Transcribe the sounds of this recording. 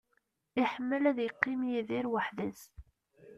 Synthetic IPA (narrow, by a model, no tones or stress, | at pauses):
ɪħəmːəlæðjəqːimjiðiɾwəħðæs